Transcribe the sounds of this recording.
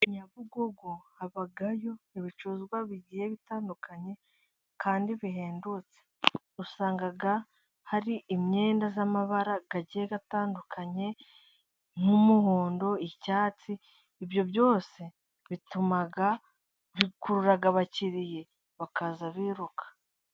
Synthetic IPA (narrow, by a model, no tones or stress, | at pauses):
ɲaβuɡoɡohaβaɡajo̞iβit͡ʃuzɡwaβiɟijeβitaːndukʰaɲe̞ | kʰaːndiβiɦe̞ːndut͡se̥ | usaːŋɡaɡa | haɾiːmɲe̞ːndazamaβaɾaɡaɟijeɡataːndukʰaɲe̞ | ŋ̥humuhoːndo̞icaːt͡siː | βjo̞βjo̞ːse̞ | βitumaɡa | βikuɾuɾaɡaβaciɾije̞ | βakazaβiːɾukḁ